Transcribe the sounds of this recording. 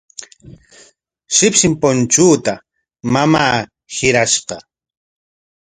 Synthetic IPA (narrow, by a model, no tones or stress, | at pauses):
ʃɪpʃɪmpont͡ʃuːt̪a | mamaː | hɪɾaʃqɑ